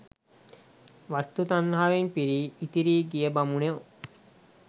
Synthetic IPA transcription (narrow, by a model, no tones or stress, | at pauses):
ʋast̪ut̪anːɦaʋenpiɾiːt̪iɾiːɡijebamunew